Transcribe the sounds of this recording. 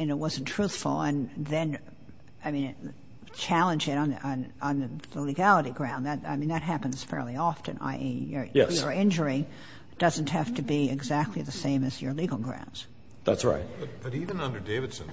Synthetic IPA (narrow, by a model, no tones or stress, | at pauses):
ɨ̃nɨt̚wʌz̃n̩tʰɹ̥uθfl̩ˠə̰̃nðɨ̃n | aɪmĩn | t͡ʃʰælˠə̃nd͡ʒɨɾn̩nə̃nðəlɨɡælˠəɾiɡɹãʊ̃nðɨt̚a̰ɪmĩnðɨt̚ɦæpɨ̃nz̥fɛ̰ɹlˠiɑfɨ̰̃na̰ɪjə˞jɛə˞ɪ̃nd͡ʒə˞i | d̥ʌz̃n̩tɦæftɨbiɪɡzæk̚tʰˡliðɨsẽɪ̃mɨzjə˞liɡl̩ˠɡɹã̰ʊ̃ndz̥ | ðætsɹa̰ɪt̚bʌb̥ʌɾivɨ̃nʌ̃ndə˞deɪvɨd̥sɨ̃n